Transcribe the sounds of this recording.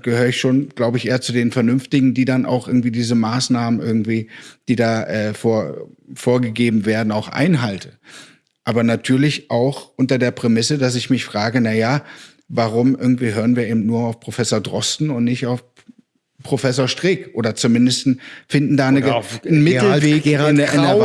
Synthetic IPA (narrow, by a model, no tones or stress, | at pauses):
ɡ̥əhøːʁɪçʃoːnɡ̥laʊbəɪçʔeːɐt͡sudeːnfɛɐnʏmftɪɡŋ̩diːdanʔa̰ʊxʔɪɐɡŋ̩tv̥iːdiːzəmaːsnaːmənʔɪɐɡŋ̩tv̥iːd̥iːdaːʔɛːfoːɐfoːɐɡəɡeːbm̩veːɐdn̩aʊxʔa̰ɪnɦaltə | ʔaːbɐnatʰyːɐlɪçʔaʊxʔʊntɐdeːɐpʁ̥emɪsədas̬ɪçmɪçfʁ̥aːɡənajaː | vaʁʊmʔɪɐɡŋ̩tv̥iːɦøːʁ̞ənviːɐeːbm̩tnuːɐaʊfpʁ̥ofɛsoːɐdʁɔstn̩ʊntnɪçtaʊf | pʁ̥ofɛsoːɐʃtʁ̥ɪːkʔoːdɐt͡sumɪndəstn̩fɪndn̩daːnənmɪl̩veːnɡənaʊ